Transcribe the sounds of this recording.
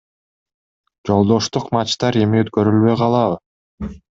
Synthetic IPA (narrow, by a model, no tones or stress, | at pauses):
d͡ʒo̞lˠd̪o̞ʃt̪uqmɑt͡ʃt̪ɑɾe̞miøt̪kø̞ɾylβø̞jqɑlˠɑβɯ